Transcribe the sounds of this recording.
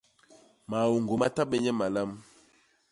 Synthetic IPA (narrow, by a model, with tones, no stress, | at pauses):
ma˨wo˨ŋɡo˨ma˦ta˦ɓɛ˦ɲɛ˦ma˨la˦m